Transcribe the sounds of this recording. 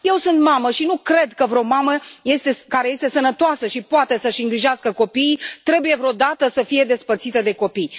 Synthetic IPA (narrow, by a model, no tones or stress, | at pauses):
je̞wsunt̪maməʃinukɾe̞d̪kəvɾeo̞maməje̞st̪e̞skaɾe̞je̞st̪e̞sənət̪oasəʃipoat̪e̞səʃiŋɡɾiʒaskəko̞piːt̪ɾe̞buje̞vɾeo̞d̪at̪əsəfije̞d̪e̞spərt̪sit̪əd̪e̞ko̞pij